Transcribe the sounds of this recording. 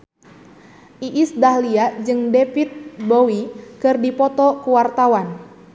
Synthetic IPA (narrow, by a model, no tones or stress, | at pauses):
ʔiʔːsdahliad͡ʒɨŋdefit̪̚bowikɨrdipɔt̪ɔkuwart̪awan